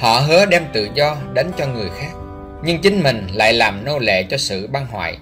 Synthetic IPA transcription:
hɔ̰˧˨ɦə˨˦əɗɛ˧mt̪ɨ̰˧˨zɔ˧ɗe˨˦nt͡ɕɔ˧ŋɨ˨˩əjxaː˦˥k̚ | ɲɨ˧ŋt͡ɕï˨˦ŋ̟mï˨˩ŋ̟la̰ː˧˨jlaː˨˩mno˧lḛ˧˨t͡ɕɔ˧sɨ̰˧˨ɓaː˧nɦwa̰ː˧˨j

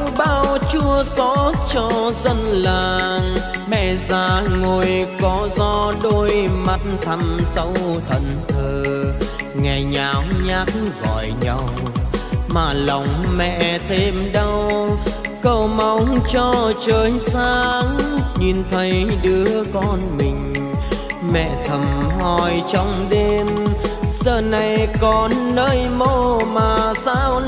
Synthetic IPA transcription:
ŋ͡mɓaː˧wt͡ɕu˧əsɔ˧˦t͡ɕɔ˧zə˧nlaː˨˩ŋ | mɛ̰˧˨zaː˨˧˦ŋo˨˩jkɔ˨˦zɔ˧ɗo˧jjma˧˩t̚nt̪ʰa˧˩msə˨˧˦wt̪ʰə̰˧˨nt̪ʰəː˨˩ | ŋa˨˩ɲaː˨˩wɲaː˦˥k̚ɣɔ̰˧˨jɲa˧˩w | maː˨˩la˨˩wŋ͡mmɛ̰˧˨t̪ʰe˧mɗa˧w | kə˧wma˨˧˦wŋ͡mt͡ɕɔ˧t͡ɕəː˨˦jsaː˧ŋɲi˨˩nt̪ʰə˨˦jɗɨ˨˦əkɔ˨˩nmï˨˩ŋ̟ | mɛ̰˧˨t̪ʰə˨˩mhɔ˧˩jt͡ɕɔ˧wŋ͡mɗe˧msəː˧˩na˨˩jkɔ˨˩nːəː˧jmo˧maː˨˩saː˧w

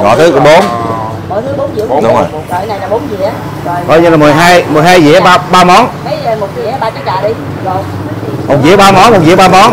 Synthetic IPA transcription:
ŋɔ̰˧˨˩t̪ʰɨ˨˦ɓo˨˦n | mə˧˨˩jt̪ʰɨ˨˦ɓo˨˦nzḭ˧˨ə˧˦ɗʊ˨˦ŋ͡mo̰˨˩j | ə˧˨na˨˩jlaː˨˩ɓo˨˦nzḭ˧˨ə | o˨˩jkɔ˧jɲɨ˧la˨mɨ˨˩əjɦaː˧jmɨ˨˩əjɦaː˧jzḭ˧˨˦ə˦ɓaː˧ɓaː˧mɔ˨˦nka˨˦jmo˨˩t̚zḭ˧˨˥ɓaː˧t͡ɕa˨˦˥ŋ̚za̰ː˨˩ɗi˧˨zo˨˩j | mo˨˩t̚zḭ˧˨˦ɓaː˧mɔ˨˦nmo˨˩t̚zḭ˧˦ɓaː˧mɔ˨˦n

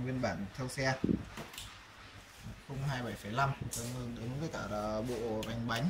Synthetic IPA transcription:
wi˧ənɓaː˧˩nt̪ʰɛ˧wsɛ˧ | xə˧wŋ͡mɦaː˧jɓa˧˩jfə˧˩jla˧mɗə˨˦ŋɨ˧ŋɗɨ˨˦ŋvəː˨˦jkaː˧˩˨ɓo̰˧˨ɓa˨˩jŋ̟ɓa˨˦jŋ̟

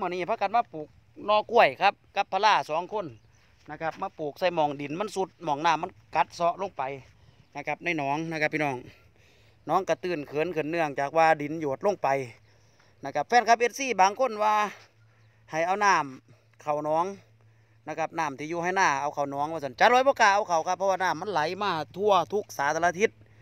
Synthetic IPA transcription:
mɯ˧˩˨niː˧˩pʰa˧ka˨˧t̚maː˧˨puː˨˩k̚ | nɔː˧˩ku˧˥˩əjkʰa˧˥p̚ka˧˦pʰːa˧laː˧˩˨sɔː˨˦ŋkʰo˧˥˨nː | a˧˩kʰa˧p̚maː˧˩˨puː˨˩k̚sa˧˩jmɔː˨˧˩ŋdi˨˩˦nma˧˥˨nsu˧˦t̪̚mɔː˧˩ŋnaː˧˨mːa˧˥˨nka˧˦t̪̚sɔ˧ʔlo˧˥˨ŋpa˨j | na˧˩kʰa˧˥p̚na˧˩˨jnɔː˨˦ŋna˧˩ka˧pʰːiː˧nɔː˧˩ŋ | nɔː˨˧˥ŋka˧˩t̪ɯː˧˩nkʰɤː˨˦˨nkʰɯː˧˩˨nːɯ˧˩əŋt͡ɕaː˨˩k̚waː˧di˨˦njoː˨˩t̪̚lo˧˥˨ŋpa˨j | na˧˩kʰa˧p̚fɛː˧˥nkʰa˧p̚he˧t̪̚siː˧˩baː˨ŋkʰo˧˥˨nwaː˧ | ha˨˩jʔa˧˩wnaː˧˥˩m | kʰa˨˩wnɔː˨˧˥ŋ | na˧˩kʰa˧p̚naː˧˩˨mt̪ʰiː˧juː˧ha˧˩jnaː˧˩˨ʔa˧˩wkʰa˨˩wnɔː˨˧˥ŋmaː˧˩sa˧˩˨nt͡ɕa˧˦lɔː˧˦bɔː˧˦kaː˧˩ʔa˧˩wkʰa˨˩wkʰa˧pʰːɔ˧waː˧naː˧˩˨mːa˧˥˨nla˨˦jmaː˧˩t̪ʰu˧ɐt̪ʰu˧˥k̚saː˨˦t̪ʰa˧la˧t̪ʰi˧˦t̪̚

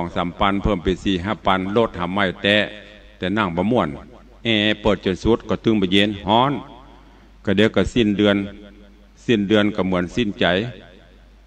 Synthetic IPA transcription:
ɔ˨˩ŋsa˨˦mpa˧˥˨npʰɤ˧˨mpa˨si˧˩ɦa˧˩pːa˧˥˨nlo˧˩t̪̚ha˧˩mːa˧˩jt̪ɛː˧˥ | t̪ɛː˧˩na˧˩ŋbɔː˧˦mu˧˩ən | ʔɛː˧˩˧pɤː˧˨˩t̪̚t͡ɕo˧˨nsu˧˦˥t̪̚kɔː˧˩t̪ɯ˧˨ŋbɔː˧˨jeː˧˥˨nhɔː˧˥˨n | ka˧˩de˨˦wka˧˩si˧˩˨ndɯ˧ən | si˧˩˨ndɯ˧ə˨nka˧˩mɯ˩˨˦ənsi˧˥˨nt͡ɕa˨˦j

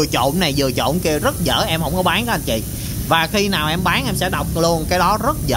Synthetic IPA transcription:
ət͡ɕo̰˧˨nna˨˩jzɨ˨˩ət͡ɕo̰˧˨nki˧əzə˦˥t̚zə̰ː˧˩ʔɛ˧mhə˧˩wŋ͡mkɔ˨˦ɓaː˨˦nka˨˦a˧˩nt͡ɕḭ˧˨ | vaː˨˩xi˧naː˨˩wʔɛ˧mɓaː˨˦nʔɛ˧msɛ̰˧˥ɗa˨˩wk͡p̚lu˧ənkaː˨˦jɗɔ˨˦zə˦˥t̚zə̰ː˧

